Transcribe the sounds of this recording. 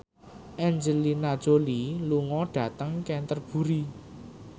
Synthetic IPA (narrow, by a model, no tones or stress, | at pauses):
ʔɛnd͡ʒəlinad̥ʒ̥oliluŋɔɖ̥ä̤t̪əŋkɛnt̪ərb̥ṳɾi